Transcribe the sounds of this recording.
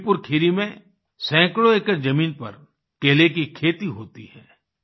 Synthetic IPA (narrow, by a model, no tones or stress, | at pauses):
pʊɾkʰɪɾimẽ | sɛ̃ːkloeːkəɾd͡ʒɐmiːnpɐ̰ɾ | keːlek̬ikʰeːt̪iɦoːt̪iɦɛː